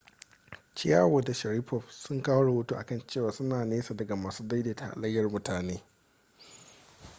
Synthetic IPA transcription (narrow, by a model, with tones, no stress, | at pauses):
t͡ʃɪ˦ja̰ː˦woː˨da˨ʃɐ˨ɾi˦ɸɔ˨ɸsʊ˦ŋkaː˦wo˦ɽɐ˨wo˦tu˦ʔa̰˨kɐ˦˨nt͡ʃeː˦˨waː˨sʊ˦naː˨neː˦sa˨dɐ˨ɡa˨maː˨suː˦da˦jdeː˨ta̰˨ʔa̰˨lɐ˦jːɐ˦rmʊ˦taː˨neː˦